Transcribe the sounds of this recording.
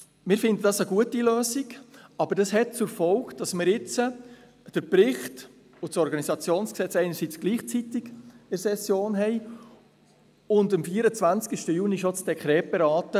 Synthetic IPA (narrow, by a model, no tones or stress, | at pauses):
mɪːɾfɪndədɑsəɡ̥uətiløːsiɡɑb̥əɾd̥ɑsɦɛt̚t͡sʊɾfɔlkd̥ɑsmɪɾɪt͡sə | d̥əɾpɾɪχt | ʊtsɔɾɡɑnisɑt͡sjoːnsksɛt͡sɛɪnəɾsiːt͡sɡ̥liːχt͡sitɪɡ̥ɪɾsɛsjoːnɦɛɪ | ʊndəmfiəɾət͡svænt͡skɪʃtəjuniʃot͡sd̥ɛkχɾɛːt̚b̥ɛɾɑːtə